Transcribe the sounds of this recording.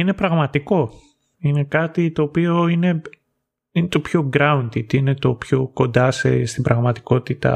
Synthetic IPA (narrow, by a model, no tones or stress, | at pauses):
ine̞pɾɐɣmɐt̪iko̞ | ine̞kɐt̪it̪o̞ːpio̞ine̞ | inet̪o̞pço̞ɡɾɐund̪it̪ine̞t̪o̞pço̞ko̞nd̪ɐsḛst̪ibɾɐɣmɐt̪i̥ko̞t̪it̪ɐ̰